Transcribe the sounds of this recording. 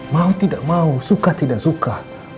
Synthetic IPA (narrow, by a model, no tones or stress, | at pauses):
mãut̪idaʔmãusukat̪idaʔsukah